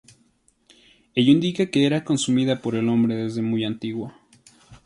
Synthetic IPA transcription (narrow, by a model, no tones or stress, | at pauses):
ejoĩnd̪ikake̞eɾako̞nsumiðapo̞ɾe̞lo̞mbɾe̞ðe̞zðe̞mujant̪iɣwo